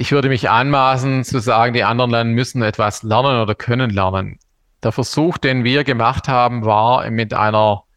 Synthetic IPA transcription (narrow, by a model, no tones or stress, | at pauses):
ʔɪçv̥ʏɐdəmɪçʔa̰nmaːsn̩t͡suzaːɡŋ̩diːʔandəʁənlandmʏsn̩ɛtv̥aslɛɐnənoːdɐkʰœnənlɛɐnən | d̥eːɐfɛɐz̥uːxd̥eːnviːɐɡəmaχthaːbm̩vaːɐmɪtʔa̰ɪnɐ